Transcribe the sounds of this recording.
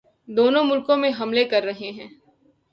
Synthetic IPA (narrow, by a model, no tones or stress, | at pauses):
d̪oːnõmʊlkõmẽɦɐmlekɐɾːɐɦeɦɛ̃ː